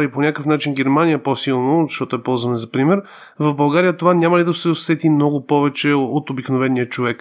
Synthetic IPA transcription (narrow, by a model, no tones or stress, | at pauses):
liponʲakəfnat͡ʃinɡʲɛɾmanijəposilˠnozʃt̪ɔt̪ʊɛpɔlˠzvɐnɛzɐpɾimɛɾ | vɐvbɐlˠɡaɾijət̪ovanʲamɐlid̪ɐsɛosɛt̪imnɔɡʊpɔvɛt͡ʃɛot̪obiknovɛnːijət͡ʃovɛk